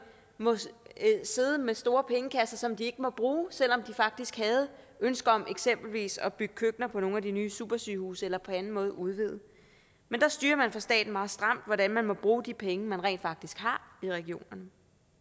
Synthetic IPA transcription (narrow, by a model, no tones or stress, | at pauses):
mɔ̽ | se̝ð̞ˠəmesd̥o̝ːɐpʰeŋəkʰæsɐsɒ̽md̥ie̝ɡ̥əmɒ̽b̥ʁuːsel̰ɒ̽md̥ifɑ̈ɡ̥̚d̥isɡ̥hæð̞̩ˠ | ønsɡ̥ɐɒ̽mʔeɡ̥sem̰b̥l̩ʋḭːsɒ̽b̥yɡ̥ə̥kʰøɡ̥nɐpʰɒ̽no̝ːnæd̥inyːsṵb̥ɐsy̰ːhṵːsəelɐpʰɒ̽ænn̩mɔ̽ːð̞ˠʔuð̞ˠʋið̞̰̩ˠ | mend̥ɑ̈sd̥yːɐmænfɒsd̥ɛ̰ːd̥n̩mɑ̈ːð̞̩ˠsd̥ʁɑ̈m̰d̥ʋɒɾænmænmɒ̽b̥ʁuːd̥ipʰeŋəmænʁɛ̰nd̥fɑ̈ɡ̥̚d̥isɡ̥hɑ̈iʁɛɡ̥ijo̝̰ːnɐnə